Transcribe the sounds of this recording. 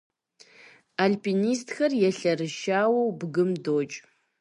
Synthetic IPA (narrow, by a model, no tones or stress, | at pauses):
alpʰinistʰxɐrjɛɬɐrɨʃaːwɐwbɡɨmdoːt͡ʃʼ